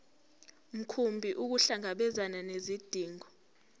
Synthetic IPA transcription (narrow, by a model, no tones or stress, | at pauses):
m̩kʰumbʱiʔuk̬uɬaŋaɓɛzananezid̥ʱiːŋɔ